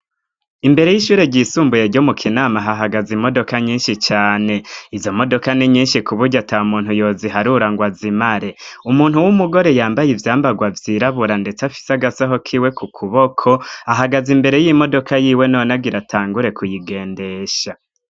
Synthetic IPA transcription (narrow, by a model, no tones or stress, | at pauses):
imbe̞ɾe̞jiʃuːɾeɟisuːmbujeɾɟomukʰinaːmaɦaɦaɡazimo̞do̞kaɲiːnʃit͡ʃaːne̞izo̞mo̞do̞kaniɲiːnʃikuβuɾɟataumuːn̥hujo̞ːziɦaɾuɾaŋɡwazimaɾe̞umuːn̥huwumuɡo̞ɾe̞jaːmbajivjaːmbaɡwavjiːɾaβuɾande̞t͡safi̥saɡasaɦokʰiːwe̞kʰukʰuβo̞kʰo̞aɦaɡazimbe̞ɾe̞jimo̞do̞kʰajiːwe̞no̞ːnaɡiɾatʰaːŋɡuɾe̞kujiɡe̞ːnde̞ːʃa